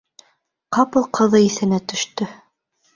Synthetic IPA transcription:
qɑpɤlˠqʰɤ̆ðɤiθɘ̆næt̪ɵ̆ʃt̪ɵ

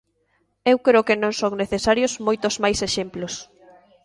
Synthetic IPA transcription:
ewkɾeokenõŋsoŋneθesaɾjosmojt̪ozmajseʃemplos

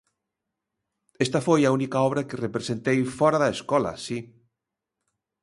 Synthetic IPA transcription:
est̪ɐfojɐunikaɔβɾɐkɪrepɾesent̪ejfɔɾaðɐeskɔlɐ̰si

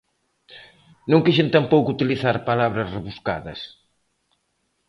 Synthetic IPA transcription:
nõŋkiʃent̪ampowkut̪iliθaɾpalaβɾɐsreβuska̰ðɐ̰s

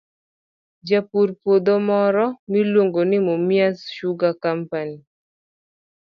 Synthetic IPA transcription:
d͡ʒapuɾpod̪omɔɾɔmilwoŋɡonɪmomjasʃuɡakampani

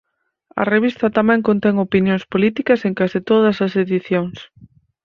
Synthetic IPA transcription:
ɐ̰reβist̪ɐt̪ɐmɛ̃ŋkont̪ɛŋopinjoŋspolit̪ikɐseŋkasit̪oðɐsɐseðiθjoŋs

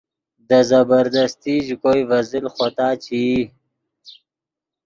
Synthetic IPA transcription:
d̪əzabəɾd̪ast̪iʒkojvazilxot̪ɑːt͡ɕʰi

